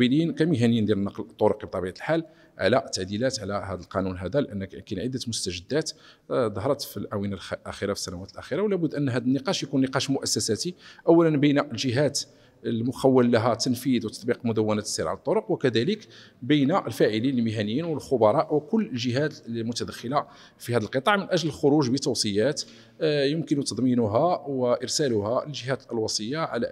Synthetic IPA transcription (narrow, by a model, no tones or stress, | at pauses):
bilijənkæmiɦænəjːind̪jæɾənːɑqlt̪ˤːoɾoqib̚t̪ˤːɑbiʕat̪lħal | ʕa̰læt̪ːaʕd̪ilæt̪ʕlæhæd̪əlqɑnunɦæd̪ælʔənːkinʕəd̪ːət̪mʊst̪æʒəd̪ːæt̪d̪ˤɑɦɾˤɑt̪filʕawinalʔæxiɾafi̥sːænæwæt̪əlʔæxiɾɑwlæbʊd̪ːʔənːɦæd̪ənːəqɑʃjkunːəqɑʃmʊʔæsːæsæt̪iʔæwːælənbəjnaʔəlʒəɦæt̪ | əlmʊxæwːəlːæɦæt̪ːənfid̪wt̪ɑ̥t̪ˤbiqmʊd̪əwːənæt̪siɾʕa̰lət̪ˤːoɾoqwəkæd̪æləkbəjnaʔəlfæʕilinəlmɪɦænəjːinwəlxʊbɑɾˤɑʔwkʊlːəlʒəɦæt̪lmʊt̪æd̪æxːəla | fihæd̪əlqət̪ˤɑʕmənʔæʒləlxʊɾuʒbət̪ːuwsˤəjːæt̪ | jəmkənut̪ɑd̪ˤminuɦæwəʔəɾsælʊhæəlʒəɦæt̪lwɑsˤəjːaʕa̰læ̰